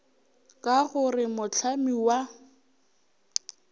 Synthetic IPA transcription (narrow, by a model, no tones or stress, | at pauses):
kʼaɣʊrɪmʊt͡ɬʰamiwa